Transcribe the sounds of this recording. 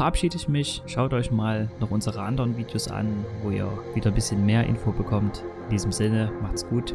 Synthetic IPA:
fɛɐʔapʃiːdəɪçmɪçʃaʊtʔɔʏçmaːlnɔχʔʊnzəʁəʔandəʁənviːdjoːsʔa̰nvoːḭːɐviːdɐbɪsçənmeːɐʔɪ̰nfobəkʰɔmtɪndiːzəm̩zɪnəmaχtsɡ̥uːt

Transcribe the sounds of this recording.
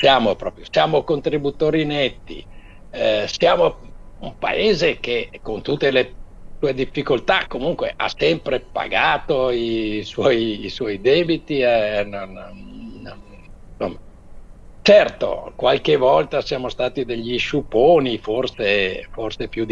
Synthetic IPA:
sjaːmopɾɔːpɾjosjaːmokont̪ɾibut̪oːɾinɛt̪ːḭ | sjaːmoumpa̰ʔeːzek̟ekont̪ut̪ːelesuːed̪ifːikolt̪akomuŋkwḛʔa̰sɛmpɾepa̰ɡaːt̪oiswɔjːswɔjd̪ɛːbit̪iɛɛnonː | on | somːa | t͡ʃɛrt̪o̰kwalkevɔlt̪asjaːmost̪aːt̪id̪eʎːiʃupoːniforseforsepjud̪

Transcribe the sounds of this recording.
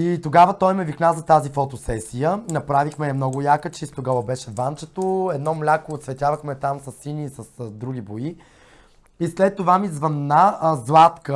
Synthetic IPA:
it̪oɡavət̪ɔjmɛviknazɐt̪azifot̪osɛsijənɐpɾavixmɛjɐmnɔɡʊjakət͡ʃist̪oɡavəbɛʃɛvant͡ʃɛt̪oɛd̪nɔmlʲakoːt̪svɛt̪ʲavəxmɛt̪amsɐsːiniːsəsd̪ɾuɡʲiboi | islɛt̪ːovamizvɐnːazlˠat̪kə

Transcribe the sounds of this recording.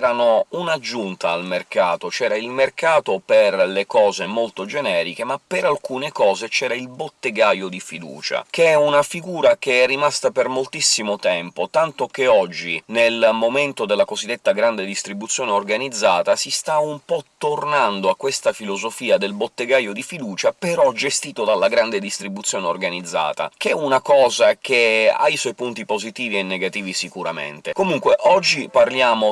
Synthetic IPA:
ɾanounad͡ʒunt̪aːlmerkaːt̪ot͡ʃɛːɾailmerkaːt̪operlekɔːzemolt̪od͡ʒenɛːɾikemapeɾalkuːnekɔːzet͡ʃɛːɾailbot̪ːeɡajod̪ifid̪ṵːt͡ʃa̰keɛunafiɡuːɾakeɛrːimast̪apermolt̪isːimot̪ɛmpot̪ant̪okeɔd͡ʒːinelmoment̪od̪elːakozid̪ːet̪ːaɡɾand̪ed̪ist̪ɾibut̪sjoːneorɡanid̪zːaːt̪asist̪aumpɔt̪ːornand̪oakːwest̪afilozofiːad̪elbot̪ːeɡajod̪ifid̪uːt͡ʃapeɾɔd͡ʒest̪iːt̪od̪alːaɡɾand̪ed̪ist̪ɾibut̪sːjoːneorɡanid̪zːa̰ːt̪a̰kɛunakɔːzak̟ea̰jswɔjpunt̪ipozit̪iːvienːeɡat̪iːvisikuɾamḛnt̪ekomuŋkweʔɔd͡ʒːiparljaːmo

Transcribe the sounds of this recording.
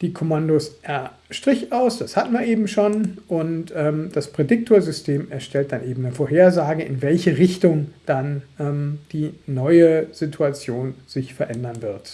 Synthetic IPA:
d̥iːkʰomandosʔɛɐ | ʃtʁ̥ɪçʔaʊsd̥ashatn̩vaɐʔeːbm̩ʃoːnʔʊntʔɛːmd̥aspʁ̥edɪk̚tʰoːɐzʏstʰeːmɛɐʃtʰɛlt̚d̥anʔeːbm̩nəfoːɐɦeːɐzaːɡəʔɪ̰nvɛlçəʁɪçtʊŋd̥anʔɛːmd̥iːnɔʏəz̥ɪtʰuat͡sjoːnz̥ɪçfɛɐʔɛndɐnvɪɐt

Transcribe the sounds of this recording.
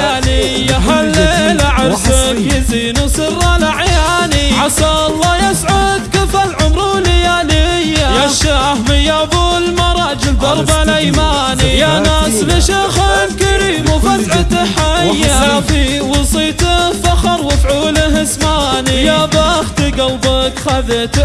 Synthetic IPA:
alɪjaħalːɪlaʕɪɾˤsɪjɪziːnusˤɨrːalaʕjaːniʕasɑlˤːɑjɪsʕʊd̪kɪfalʕʊmɾulɪjalɪjajaʃahmɪjabulmɑɾˤɑːd͡ʒɪld̪ˤɑɾˤbalajmaːnijanaːslɪʃaxalkaɾiːmufasʕɪt̪aħajːaafiwɑsˤiːt̪fɑxɑɾˤwɪfʕuːlɦɪsmaːnijabaːxt̪iɡɑlbɑkxaðet̪

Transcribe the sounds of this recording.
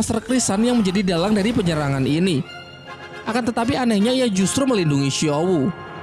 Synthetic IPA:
sərkɾisanjaŋməɲd͡ʒadidalaŋdaɾipəɲəɾaŋanini | ʔakant̪ət̪ap̬ianɛkɲaijad͡ʒust̪ɾuməlinduŋiʃiowu

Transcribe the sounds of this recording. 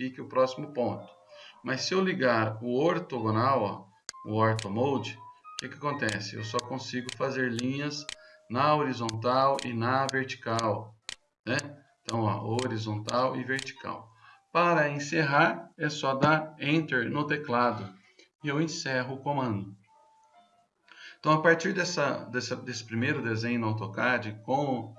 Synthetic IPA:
ikɪʊpɾɔsimʊpõnt̪ʊ̥mɐsːɪewliɡaɾʊoɾt̪oɡõnawɐ | ʊ̰ɔɾt̪omowd͡ʒɪkɪkɪakõnt̪ɛsɪḛwsɔkõsiɡʊfazeɾlĩɲɐznɐoɾizõnt̪awɪ̰nɐveɾt͡ʃi̥kaw | nɛẽt̪ɐ̃w̃ɐ̰ʔoɾizõnt̪awɪveɾt͡ʃi̥ka̰w | paɾɐẽseɦaɾesɔd̪aẽnt̪eɾnʊt̪eklad̪ʊ | ɪewẽsɛɦʊʊkõmɐ̃nd̪ʊ | t̪ɐ̃w̃apaɾt͡ʃiɾd̪ɛsɐd̪ɛsɐd̪esɪ̥pɾimejɾʊd̪ezẽɲawt̪okad͡ʒɪkõ

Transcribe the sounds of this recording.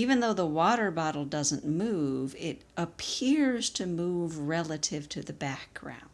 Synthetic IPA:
ivɨ̃nðoʊðəwɔɾə˞bɑɾl̩ˠdʌzə̃nmuvɪɾʔəpʰɪɹz̥tʰɨmuvɹɛlˠəɾɪv̥tʰɨðɨbæk̚ɡ̥ɹã̰ʊ̃nd

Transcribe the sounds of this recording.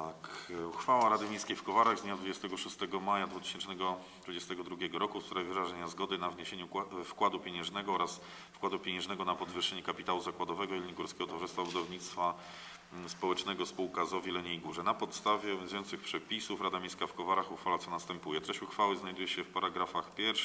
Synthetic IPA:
t̪akuxfawaɾad̪ɘmʲẽj̃skʲejfkɔvaɾaɣzɲad̪vud͡ʑɛst̪ɛɡɔʂust̪ɛɡɔmajad̪vut̪ɘ̥ɕɛnt͡ʂnɛɡɔ | t̪vud͡ʑɛst̪ɛɡɔd̪ɾuɡʲjɛɡɔɾɔkust̪ɾavʲivɾaʐɛɲazɡɔd̪ɘnavɲeɕeɲufkwad̪upʲjeɲɛ̃ʐnɛɡɔɔɾas | fkwad̪upʲjeɲɛ̃ʐnɛɡɔnapɔd̪vɘʂːɛɲɛkapʲit̪awuzakwad̪ɔvɛɡɔilɲiɡuɾskʲɛɡɔt̪vɔʐɪst̪fabud̪ɔvɲit̪st̪fa | spɔwɛt͡ʂnɛɡɔspuwkazɔvʲilɛɲeiɡuʐɛnapɔt̪st̪avʲjɛɛnzujɔnt̪sɘxpʂɛpʲisufɾad̪amʲẽj̃skafkɔvaɾaxuxfalat̪sɔnast̪ɛmpujɛt̪ɾɛɕt͡ɕuxfawɘznajd̪ujɛɕɛfpaɾaɡɾafaxpʲjɛɾʂ

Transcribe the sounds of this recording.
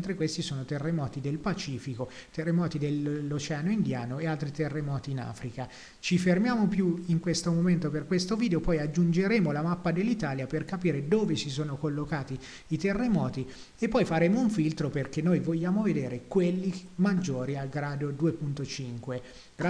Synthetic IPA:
nt̪ɾekwest̪isoːnot̪erːemɔːt̪id̪elpat͡ʃiːfiko | t̪erːemɔːt̪id̪elːot͡ʃɛːanoind̪jaːnoealt̪ɾit̪erːemɔːt̪iːna̰ːfɾika | t͡ʃifermjaːmopjuiŋkwest̪omoment̪operkwest̪oviːd̪eopɔjad͡ʒːund͡ʒeɾeːmolamapːad̪elːit̪aːljaperkapiːɾed̪oːvesisoːnokolːokaːt̪iː | t̪erːemɔːt̪i | epːɔjfaɾeːmouɱfilt̪ɾoperk̟enːojvoʎːaːmoved̪eːɾekwelːimad͡ʒːoːɾialɡɾaːd̪od̪uːepunt̪ot͡ʃiŋkwe | ɡɾa

